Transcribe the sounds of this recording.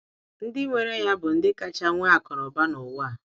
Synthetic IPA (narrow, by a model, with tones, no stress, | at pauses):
n̩˦dɪ˦ŋʷe˨ɾe˦ja˦bʊ˨n̩˦dɪ˦ka˦t͡ʃa˦ŋʷe˦a˨kɔ˨ɾɔ˨ba˦nʊ˨wa˦˨